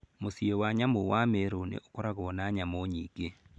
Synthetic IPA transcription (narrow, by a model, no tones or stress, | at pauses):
mosiewaɲamowameɾonḛʔokoɾaɣɔnaɲamoɲiːɡe